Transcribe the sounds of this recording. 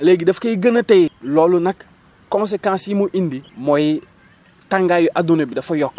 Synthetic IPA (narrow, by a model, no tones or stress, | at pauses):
leɡidɐfkeiɡənatejlɔlunak | kõns̬ekãːsimuʔindimoji | tãŋɡajuʔadunebidɐfojɔkː